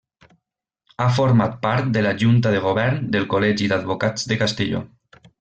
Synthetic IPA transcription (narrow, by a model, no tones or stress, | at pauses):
afoɾmat̪̚paɾt̪̚d̪elaʒunt̪aðeɣ̞oβɛɾnd̪elˠkolɛʒid̪ad̪̚βokad͡zd̪ekast̪eʎo̰